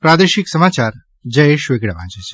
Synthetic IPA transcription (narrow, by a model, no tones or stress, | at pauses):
pɾad̪eʃiksəmat͡ʃaɾ | d͡ʒəeʃʋeɡɽaʋã̰d͡ʒet͡ʃʰe̥